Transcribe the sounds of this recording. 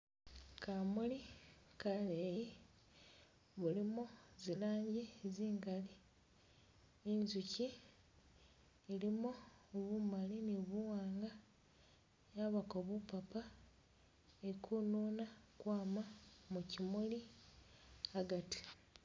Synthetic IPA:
kamulikaleje | βulimuzilaːɲɟiziːŋɡali | enzuci | elimuβumaliniβuwaːŋɡa | jaβakoβupapa | ekʰunuːnakwaːmamucimuli | aɡati̥

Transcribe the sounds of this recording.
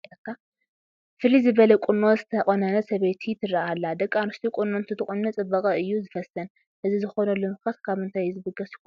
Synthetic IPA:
ɐkʰːa | fɨlizɨβɐlɐkʷʼʊnːozɨt̪ʰɐχʼonɐnɐsɐβet̪ʰit̪ʰɨrːɐalːad̪ɐkʼːanust̪ʰʼikʼʊnːont̪ʰɨt̪ʰɨχʼunːɐt͡sʼɨbːɐkʼɐɨjːuzɨfɐsɐn | ʔɨzizɨxo̞nɐlumxɐt̪kʰaβhɨnt̪ʰajzɨbɨɡɐskːo

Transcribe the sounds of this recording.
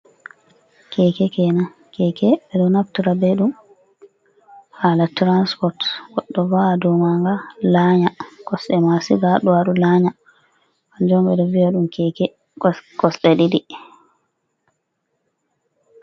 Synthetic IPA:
kʰɛːkɛkɛna | kɛːkʰɛɓɛɗɔnaftuɾabɛɗum | halatɾanspɔɾtɡɔɗːɔvadɔmaŋɡalaɲakɔsɗɛmasiɡaɗɔwaɗulaɲa | kand͡ʒɔmbɛdɔvijaɗumkʰɛkɛ | kɔsɗɛɗidi

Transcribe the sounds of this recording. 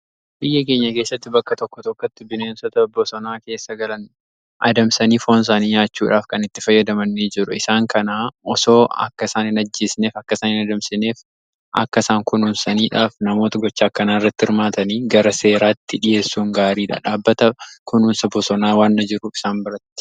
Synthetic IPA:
bɪjːɐke̞ːɲːɐke̞ːsːɐt̪ːɪbɐkːɐt̪ɔkːɔt̪ɔkːɔt̪ːɪbɪneːnsɔt̪ɐbɔsɔnaːke̞ːsːɐɡɐlɐn | ʔɐ̰d̪ɐmsɐniːfo̞ːns̬aːniːɲaːt͡ʃːuːᶑaːfkɐnɪt̪ːɪfɐjːɐd̪ɐmɐnːid͡ʒɪɾʊɪsaːŋkɐnaːɔso̞ːɐ̰kːɐsaːnɪnɐd͡ʒːeːsne̞ːfɐkːɐsaːnɪnɐd̪ɐmsɪne̞ːf | ʔɐ̰kːɐsaːŋkʊnunsɐniːᶑaːfnɐmo̞ːt̪ɐɡɔt͡ʃːaːkːɐnaːɪrːɐt̪ːɪɾmaːt̪ɐniːɡɐɾɐse̞ːɾaːt̪ːɪᶑɪje̞ːsːuːŋɡaːɾiːᶑa̰ːᶑaːbːɐt̪ɐkʊnuːnsɐbɔsɔnaːwaːnːɐd͡ʒɪɾʊɪsaːmbɪɾɐt̪ːɪ̥

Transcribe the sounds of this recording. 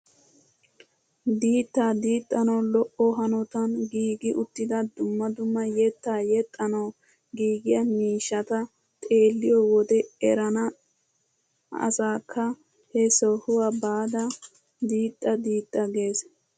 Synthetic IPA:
d̪iːt̪ːaːd̪iːt̪ʼːɐnɐwlɔʔɔɦɐnɔt̪ɐnɡiːɡɪʔʊt̪ːɪd̪ɐd̪ʊmːɐd̪ʊmːɐjɛt̪ːaːjɛt̪ʼːɐnɐw | ɡiːɡɪjɐmiːʃːɐt̪ɐ | t̪ʼeːlːɪjɔwɔd̪ɛɛɾɐnɐ | ɐ̰saːkʰːɐ | hɛsɔhʊwabaːd̪ɐ | d̪iːt̪ʼːɐd̪iːt̪ʼːɐɡe̞ːs

